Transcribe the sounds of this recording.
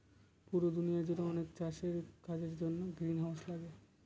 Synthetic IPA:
puɾod̪unijad͡ʑotoɔnekt͡ɕaʃeɾkʰad͡ʑeɾd͡ʑonːoɡɾinɦawslaɡe

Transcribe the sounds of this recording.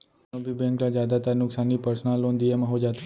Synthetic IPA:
obʱibɛ̃ŋklad͡ʒjad̪at̪aɾnʊksanːipəɾsnalond̪iemãɦod͡ʒat̪

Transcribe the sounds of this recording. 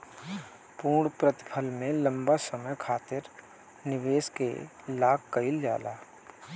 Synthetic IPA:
puːɽpɾət̪ɪ̥pʰəlmẽlə̃mbasəməjkʰaːt̪ɪɾ | nɪʋeːskḛ | laːkːəɪlja̰ːla̰ː

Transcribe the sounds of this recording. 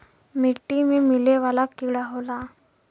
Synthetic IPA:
miʈːimemileʋalakiɽaɦola

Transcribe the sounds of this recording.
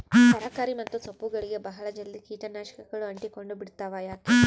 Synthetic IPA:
t̪ɐɾaːkaːɾimɐt̪ːusɐpːuɡɐɭiɡe̞bɐɦɐɭɐd͡ʒɐlːikiːʈɐnaːʃɐ̥kɐɡɐɭuɐɳʈiko̞ɳɖubiɽt̪aːʋajaːki

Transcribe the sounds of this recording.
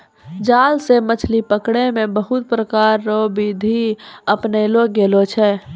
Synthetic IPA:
d͡ʒaːlsemət͡ʃʰlipəkɽemẽbəɦʊt̪̚pɾəkaːɾːobid̪ʱiəpnelok̚ɡeːlot͡ʃʰɛ

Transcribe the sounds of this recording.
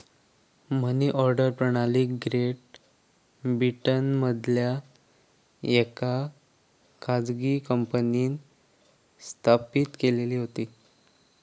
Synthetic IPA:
m̤əniːʔɔɾɖəɾpɾəɳaliːkɡɾeʈ̚ | bɾiʈənməd̪ʱlja | jeka | kʰad͡zɡiːkəmpəniːn | st̪ʰapiːt̪keleliːɦot̪iː

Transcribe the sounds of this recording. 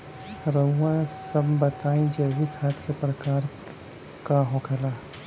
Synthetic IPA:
ɾəːãsɐbbɐt̪aːĩd͡ʒɐːʋikʰaːt̪kepɾəkaːɾ | kaɦokʰɐlaː

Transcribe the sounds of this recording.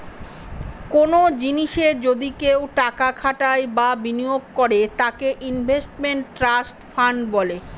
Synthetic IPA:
konod͡ʑiniʃed͡ʑod̪ikewʈakakʰaʈaebabinioɡ̚koɾet̪akeʔinbʱesʈmeɳʈːɾasʈfaɳɖbɔle

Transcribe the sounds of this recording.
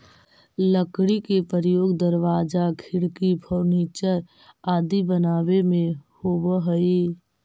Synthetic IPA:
ləkɽikepəɾjoːɡd̪əɾʋaːd͡ʒakʰɪɽkipʰɔːniːt͡ʃəɾ | aːd̪ibənaːwemẽhoːbəɦəi

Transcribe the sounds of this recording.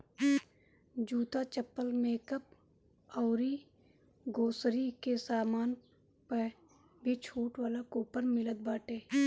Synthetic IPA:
d͡ʒuːt̪at͡ʃəpːəlmeːkəp̚ | ɔːɾi | ɡoːsɾikesaːmaːn | pə | bʱit͡ʃʰuːʈʋaːlakoːpəɾmɪləd̪̚baːʈeː

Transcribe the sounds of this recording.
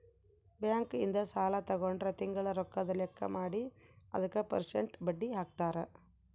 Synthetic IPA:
bjaːŋkḭnd̪ɐsaːlɐt̪ɐɡoɳɖɾɐt̪iŋɡɐɭɐɾɔkːɐd̪ɐlɛkːɐ̰maːɽiɐ̰d̪ɐkːɐpɐ̰ɾsḛɳʈbɐɖːiɦaːk̚t̪aːɾe

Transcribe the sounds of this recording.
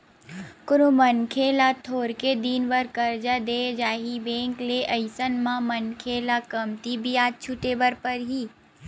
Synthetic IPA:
kʊɾomɐnkʰeːlat̪ʰoːɾked̪iːnʋəɾkɐɾd͡ʒad̪eːd͡ʒaːɦibẽːŋkleʔɐɪsənmãmɐnkʰelakɐmt̪ibʱiaːt̪̚t͡ʃʰʊʈeːbəɾpɐɾɦiː

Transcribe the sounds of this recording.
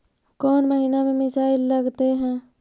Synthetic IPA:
kɔːnməɦiːnamẽmɪsaːɪlːɐɡt̪eɦɛ̃ː

